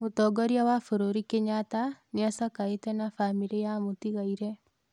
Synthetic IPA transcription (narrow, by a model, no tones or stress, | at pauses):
motɔɡɔɾjawafoɾoɾikeɲataneasakaetɛnafamiɾijamotiɣaiɾɛ